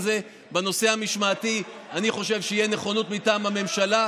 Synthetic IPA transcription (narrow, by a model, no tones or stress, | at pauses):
ze̞ | beno̞se̞hamiʃmaːti | aniχo̞ʃe̞vʃeijeneχo̞not̪mitaːmhame̞mʃala